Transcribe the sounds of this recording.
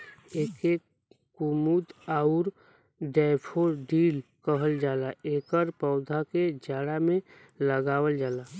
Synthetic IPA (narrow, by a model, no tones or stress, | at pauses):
eːke | kumud̪aʊɾ | ɖɛpʰoɾɖiːlkəɦəld͡ʒaːlaʔeːkəɾpəʊd̪ʱaked͡ʒaːɽamẽ | ləɡaːwəld͡ʒaːlaː